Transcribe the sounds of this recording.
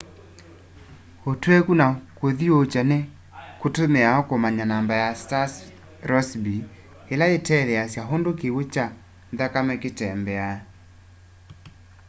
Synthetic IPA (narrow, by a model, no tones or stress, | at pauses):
otwekunakoðiot͡ʃane | kotomeaɔkomaɲanambajastas | ɾɔsbi | elaetɛðɛasjaɦondokewet͡ʃa | nðakamɛketɛmbɛa